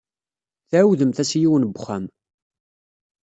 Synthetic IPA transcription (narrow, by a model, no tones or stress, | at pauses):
θʕwðəmθæsjiwənbχæm